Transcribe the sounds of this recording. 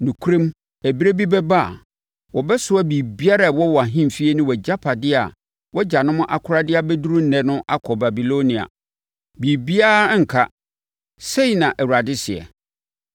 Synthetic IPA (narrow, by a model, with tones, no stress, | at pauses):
nũ˨kʰu˦ɾĩ˦m | æ˨bi˦ɾe˦bi˦bɛ˦ba˦a̰˨ | wɔ˨bɛ˦sʊ˨˦a˦biː˨bi˦a˦ɾa˨wɔ˦wɔ˨a˨ɦĩ˦m˨fi˦e˦nʊ̃˦wɔ˨d͡ʑa˦pʰa˨dɪ˦a̰˨ | wɔ˦d͡ʑa˨nʊ̃˦mʊ̃˦ʔa˨kʰʊ˦ɾa˦dɪ˦a˦bɛ˦du˦ɾu˦n̩˦nɛ̃˦nʊ̃˦ʔa˦kʰɔ˨ba˨bi˨lo˦nĩ˨a̰˨ | biː˨bi˦a˦ŋ̩˨kʰa˦ | se˦i˨nã˨ʔɛ˨wu˨ɾa˨dɪ˦sɪ˨ɛ̰˨